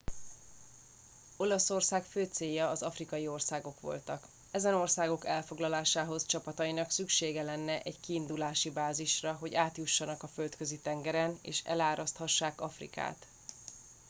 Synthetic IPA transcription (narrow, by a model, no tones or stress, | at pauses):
o̞lɒso̞rsaːkføːt̪seːjːɒːzɒfrikɒjio̞rsaːɡo̞kʋo̞̰lt̪ɒk | ɛzɛno̞rsaːɡo̞kɛlfo̞ɡlɒlaːʃaːɦo̞zt͡ʃɒpɒt̪ɒjinɒksykʃeːɡɛlɛnːɛʔɛɟkiːnd̪ulaːʃibaːziʃrɒɦo̞ɟaːt̪juʃːɒnɒkɒfø̞lt̪kø̞zit̪ɛŋɡɛɾɛnḛːʃɛ̰laːɾɒst̪hɒʃːaːkɒfrḭka̰ːt̪